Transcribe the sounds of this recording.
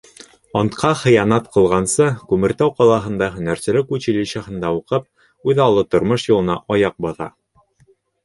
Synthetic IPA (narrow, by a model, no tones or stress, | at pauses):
ɒnt̪qʰɑχɤ̆jɑnɑt̪qʰɤ̆lˠʁɑnsɤkʉmɘ̆ɾt̪æwqɑlˠɑɦɤ̆nd̪ɑɦɵ̆næɾsɘ̆lɘkʉt͡ɕilɘɕɑhɤ̆nd̪ɑuqɤp̚ | ʉðɑlˠɤt̪ŏɾmɤʃjŭlˠɤ̆nɑʔɒjɑq̚bŏðɑ̰